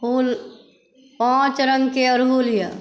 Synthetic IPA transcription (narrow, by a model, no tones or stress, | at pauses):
puːl | pãt͡ʃɾəŋɡkeəɾɦuljə